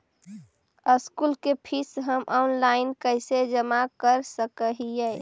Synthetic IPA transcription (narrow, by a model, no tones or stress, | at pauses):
əskulkepʰisɦəmʔɔnlaɪnkəɪsed͡ʒəmakəɾsəkəɦijɛ